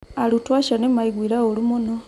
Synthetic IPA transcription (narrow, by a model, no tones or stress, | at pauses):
alutwaʃanemaiɡwiɾaolumuno